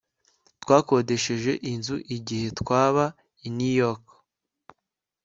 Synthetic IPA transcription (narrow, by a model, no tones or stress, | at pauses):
twaːko̞de̞ʃeʒe̞ʔinzuʔiɟihe̞twaːβa | inujok